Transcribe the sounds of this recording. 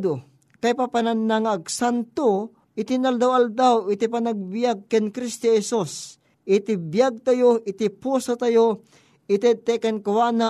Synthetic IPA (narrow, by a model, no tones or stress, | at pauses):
d̪o | kajpapananːaŋaɡ̚sant̪o | ʔɪt̪ɪnald̪awald̪awɪt̪ipanaɡ̚bɪjaɡ̚kɛnkɾist̪ohɛsus | ʔɪt̪ɪbjaɡ̚t̪ajoʔɪt̪ɪpusot̪ajo | ɪt̪ɛt̪ɛkɛnkawana